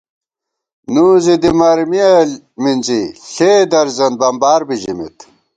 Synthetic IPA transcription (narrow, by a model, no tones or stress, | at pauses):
nuːzid̪imɐɾmiɐ | minziɬeːd̪ɐɾzɐn̚bɐmbaːɾbiʑimḭt̪